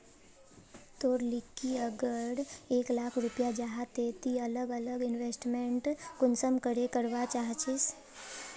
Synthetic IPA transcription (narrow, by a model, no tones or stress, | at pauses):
t̪oːɾlɪkːiəɡəɾeːklaːkʰɾʊpjad͡ʒaɦat̪et̪iɐləɡələɡɪnʋeːsʈmẽɳʈkʊnsəmkəɾekəɾʋat͡ʃaːɦt͡ʃʰis